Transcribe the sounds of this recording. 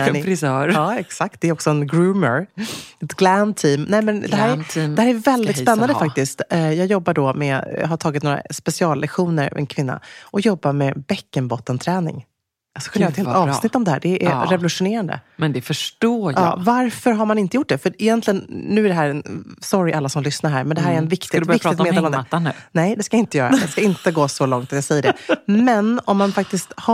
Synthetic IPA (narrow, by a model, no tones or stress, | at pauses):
ɾɪsœːɾɑːɛksak̚t̪̚d̪ɛɾɔksɔɛnɡɾʉːməɾɛt̪ɡlænt̪ʰiːmnɛmɛnd̪ɛɦæːɾʰɛhæɾæɾvɛld̪ɪt̪spɛnːand̪əfak̚t̪ɪst̪jɑːɡjɔbːaɖɔmɛ̰ɦaʈʰɑːɡɪt̪noːɾa̰spɛsɪɑːlːɛɧuːnəɾ̰ɛ̰nkʰvɪnːa̰ʔɔjɔbːamɛbɛkːənbɔt̪ːənt̪ʰɾɛːnɪ̰ŋ | sklːjɛt̪heːlɑːvsnɪt̪ːɔmd̪ɛhæːɖɛʔæɾɛvɔlɵʂʊneːɾand̪ə̰mɛnd̪ɛfœʂʈoːɑ̰ːvaɾfœɾɦaɾmanɪnt̪əjʊʈ̚ːɖɛfœɾɪjɛnt̪lɪɡənnʉ̟ːæɖɛɦæːɾɛnsɔɾɪʔalːasɔmlʏsnaɾɦæːɾmɛnd̪ɛɦæːɾæɾɛnvɪkt̪ɪd̪vɪk̪ːɪt̪meːd̪elɔmd̪nɛjd̪ɛskaɪnt̪əjœːɾad̪ɛskaɪnt̪əɡoːsɔlɔŋt̪at̪jasɛjːəɖɛmɛnɔmːanfak̚t̪ɪst̪ha